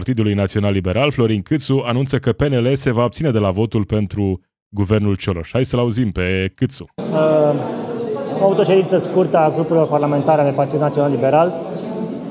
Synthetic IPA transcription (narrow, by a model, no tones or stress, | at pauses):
rt̪id̪ulujnat̪sio̞nalːibe̞ɾalflo̞ɾinkɨt̪suanunt̪səkəpe̞ne̞le̞se̞vaob̪̚sine̞d̪e̞lavo̞t̪ulpe̞nt̪ɾu | ɡuve̞rnult͡ʃoɾoʃhajsəlauzimpe̞kɨt̪su̥ə | amavut̪o̞ʃed̪int̪səskurt̪aɡɾupuɾilo̞rparlame̞nt̪aɾead̪epart̪id̪unat̪sionalibeɾal